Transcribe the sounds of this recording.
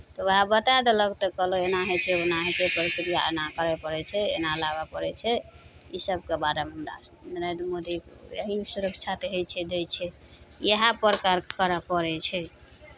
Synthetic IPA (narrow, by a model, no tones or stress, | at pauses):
t̪ɔʋəɦabət̪ad̪eləkt̪ɔkəloenaɦet͡ʃʰɛonaɦet͡ʃʰɛpəɾikɾijaenakəɾɛpəɾɛt͡ʃʰɛḛnalaβapəɾɛt͡ʃʰɛ | isəb̚kebaɾemɦəmɾa̰nəɾend̪ɾmod̪ikjəɦisuɾəkʰt͡ʃʰat̪eɦejt͡ʃʰɛd̪et͡ʃʰɛ | jeɦapɾəkaɾkəɾapəɾɛt͡ʃʰɛ